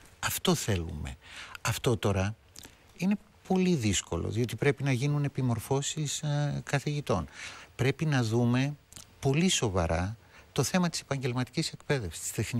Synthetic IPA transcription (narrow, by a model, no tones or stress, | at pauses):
ɐft̪o̞θe̞lṵme̞̰ɐft̪o̞t̪o̞ɾɐ | ine̞ | po̞liðisko̞̰lo̰ðio̞t̪ipɾe̞pinɐʝinune̞pimo̞ɾfo̞siskɐθiʝit̪o̞npɾe̞pinɐðume̞po̞liso̞vɐ̰ɾʔɐ̰ | t̪o̞θe̞mɐt̪i̥se̞̥pɐɲɟe̞lmɐt̪i̥cise̞kpe̞ðe̞fsi̥st̪i̥seθn